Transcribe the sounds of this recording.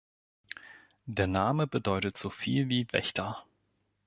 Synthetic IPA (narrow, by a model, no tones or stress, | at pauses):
d̥eːɐnaːməbədɔʏtətz̥ofiːlviːvɛ̰çtʰɐ